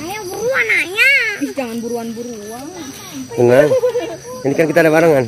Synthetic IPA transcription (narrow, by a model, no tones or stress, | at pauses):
ajabuɾuanajabisd͡ʒaŋanbuɾuanbuɾu | aŋ | səŋaŋ | inikankit̪aːdabaɾaŋan